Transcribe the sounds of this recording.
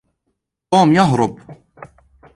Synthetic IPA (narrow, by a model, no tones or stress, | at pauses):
oːmjɑɦɾˤʊb